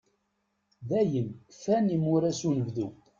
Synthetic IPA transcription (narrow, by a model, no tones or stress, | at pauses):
ðæjənfænimʊɾæsunəvðu